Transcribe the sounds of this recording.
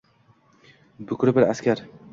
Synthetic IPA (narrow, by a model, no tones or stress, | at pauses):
bʊkʰʲɾɪbɪɾaskʲaɾ